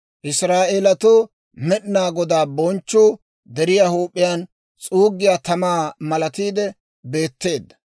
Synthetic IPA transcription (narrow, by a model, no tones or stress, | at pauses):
ʔɪsɾaːʔelɐt̪uː | mɛɗɪnaːɡɔd̪aːbɔnt͡ʃːuː | d̪ɛɾɪjahuːpʼːɪjaːn | t͡sʼuːɡːɪjaːt̪ɐmaːmɐlɐt̪iːd̪ɛ | be̞ːt̪ːe̞ːd̪ːɐ̥